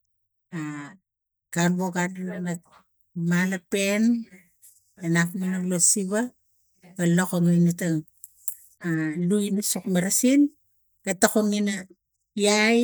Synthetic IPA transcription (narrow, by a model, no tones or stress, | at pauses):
a | kanβoɡananana | malapen | anapninalosiβa | balokoŋajnataŋ | aluinasokmaɾasin | ɡ̥atakunina | aj